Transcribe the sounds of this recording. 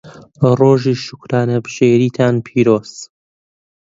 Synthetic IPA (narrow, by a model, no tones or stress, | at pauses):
roːʒiːʃʊ̥kɾaːnɐbʃeːɾiːt̪ʰaːnpʰiːɾoːz̥